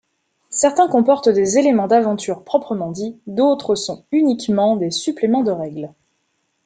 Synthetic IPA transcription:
sɛʁt̪ɛ̃kɔ̃pɔʁt̪d̪ezelemɑ̃d̪avɑ̃t̪yʁpχɔpχəmɑ̃d̪id̪ot̪χəsɔ̃ynikmɑ̃d̪esyplemɑ̃d̪əʁɛɡl

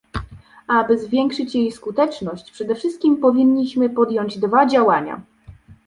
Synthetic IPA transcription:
abɘzvʲjɛŋkʂɘt͡ɕjejskut̪ɛt͡ʂnɔɕt͡ɕpʂɛd̪ɛfʂɘst̪̚kʲimpɔvʲiɲːiɕmɘpɔd̪jɔɲd͡ʑd̪vad͡ʑawaɲa̰

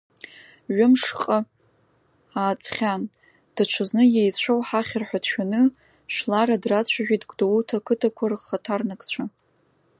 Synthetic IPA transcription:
ɥʊmʂqʼə | aːt͡sʼχʲan | d̥at͡ʃʷʰɨznɨjejt͡ɕʷʰowħaχʲarħʷadʰʃᶣanɨ | ʃlaɾadrat͡ɕʷʰaʒᶣʲʷitʼɡʷdowutʰakʰɨtʰakʷʰarχχatʰarnakʼt͡ɕʷʰa

